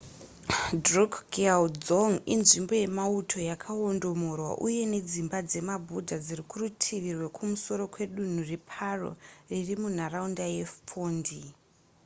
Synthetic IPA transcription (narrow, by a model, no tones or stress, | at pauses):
drukɡeald͡zoŋinʐimbo̞je̞mautʰo̞jakʰaondo̞mo̞rwa̰ʔuje̞ne̞d͡zimbad͡ze̞mabʱudʱad͡zirikurutʰiʋirwe̞kʰumuso̞ɾo̞kwe̞ɗun̤urepʰaro̰ririmun̤araundajefpʰoːndi